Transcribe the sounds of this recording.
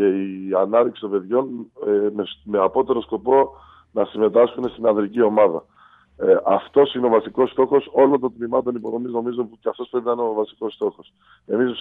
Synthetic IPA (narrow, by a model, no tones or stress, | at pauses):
e̞iɐnɐðiksi̥t̪o̞mbe̞ðʝo̞n | me̞ɐpo̞t̪e̞ɾo̞sko̞po̞ | nɐsime̞t̪ɐsxune̞st̪inɐðɾicio̞mɐðɐ̰ | ʔɐft̪o̞sineo̞vɐsiko̞st̪o̞xo̞so̞lo̞nt̪o̞t̪mimɐt̪̬o̞nipo̞ðo̞mizno̞mizouceɐft̪ospɾe̞pinɐineovɐsi̥ko̞st̪o̞xo̞s | e̞miz